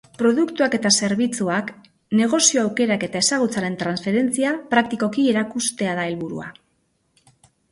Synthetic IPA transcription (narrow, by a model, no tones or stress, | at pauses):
pɾo̞ðukt̪uake̞t̪ase̞ɾβit͡suak | ne̞ɣ̞o̞sio̞awke̞ɾake̞t̪ae̞saɣ̞ut͡saɾe̞nt̪ɾansfe̞ɾe̞nt͡siapɾak̚t̪iko̞kie̞ɾakust̪e̞aðae̞lβuɾṵa̰